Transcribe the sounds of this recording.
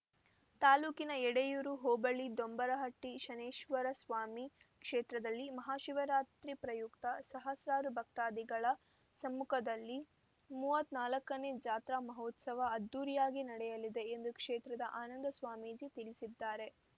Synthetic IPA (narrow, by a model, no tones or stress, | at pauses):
t̪aːluːkinɐɛɽejuɾuɦoːbɐɭid̪ombɐɾɐɦɐʈːiʃɐneːʃʋɐɾɐsʋaːmi | kʂeːt̪ɾɐd̪ɐlːimɐɦaːʃiʋɐɾaːt̪ɾipɾɐjukt̪ɐsɐɦɐsɾaːɾubʱɐk̚t̪aːd̪iɡɐɭɐ | sɐmːukʰɐd̪ɐlːi | muːʋɐt̪ːnaːlɐkːɐneːd͡ʒaːt̪ɾamɐɦoːt̪sɐʋɐɐd̪ːuːɾijaːɡinɐɽɛjɐlid̪e̞end̪ukʂeːt̪ɾɐd̪ɐʔaːnɐnd̪ɐsʋaːmiːd͡ʒit̪iɭisid̪ːaːɾe̞